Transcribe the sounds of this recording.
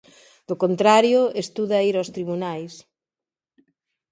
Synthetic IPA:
d̪̥okont̪ɾaɾjʊest̪uðaiɾost̪ɾiβunajs

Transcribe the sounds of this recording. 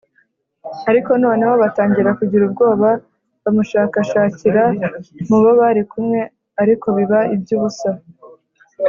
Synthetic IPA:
aɾiko̞no̞ːne̞hoβataːɲɟiɾakuɟiɾub̚ɡo̞ːβa | βamuʃaːkaʃaːciɾamuβoβaɾikumŋe̞ | aɾiko̞βiβaib̚ɟuːβusa

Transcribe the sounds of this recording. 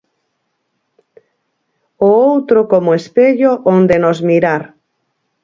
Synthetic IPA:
ʊowt̪ɾʊkomoespeʎoʔond̪enozmiɾaɾ

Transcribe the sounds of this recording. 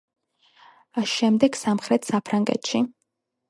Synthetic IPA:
asʃɛmd̪ɛɡ̥samχɾɛt̪ʰsapʰɾaŋɡɛ̰t̪ʃi

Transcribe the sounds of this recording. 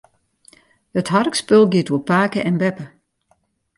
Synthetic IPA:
hətɦarəkspølˠɡiətupaːkəʔɛnbɛpə

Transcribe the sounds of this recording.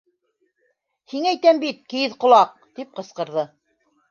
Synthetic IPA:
hiŋæjt̪æmbit̪̚kiɘðqŏlˠɑq̚t̪ip̚qɤ̆sqɤ̆ɾðɤ

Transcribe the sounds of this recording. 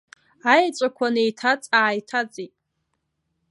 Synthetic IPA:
ajt͡ʃʷʼakʷʰanejtʰat͡sʼaːjtʰat͡sʼitʼ

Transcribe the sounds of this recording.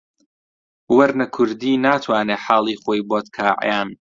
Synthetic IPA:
wɐɾnɐkʰʊɾd̪iːnaːt̪ʰwaːneːħaːlˠiːχoːjboːt̪kʰaːʕ̰jaːn

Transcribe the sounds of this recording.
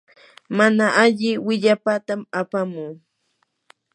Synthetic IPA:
manaʔaʎɪwɪʎapat̪amapamuː

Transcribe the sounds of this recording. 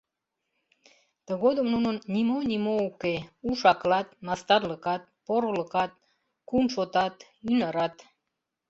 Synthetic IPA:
t̪əɣod̪ə̆mnunənnʲimonimoukeuʃɑklɑt̪̚mɑst̪ɑrləkɑt̪̚poɾoləkɑt̪̚ | kunʃot̪ɑt̪ | ynɑɾɑt̪

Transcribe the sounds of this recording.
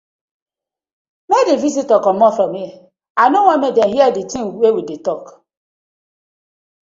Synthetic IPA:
medevisitɔkɔmɔfɾɔmi | anowamedenɦiɛditĩŋwewidetɔk

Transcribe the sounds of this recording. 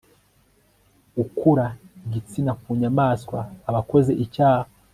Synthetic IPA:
ukuɾaiɟit͡sinakuɲamaːskwaːβako̞ze̞ʔicaːha

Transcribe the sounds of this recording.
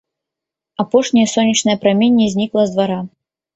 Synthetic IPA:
apɔʂnʲijɛsɔnʲːit͡ʂnɐjɐpɾamʲinʲːɛzʲnʲiklˠɐzd̪vaɾa

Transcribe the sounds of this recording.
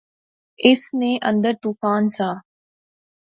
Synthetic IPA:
ɪsnẽːʔə̃nd̪əɾʈupʰaːnsaː

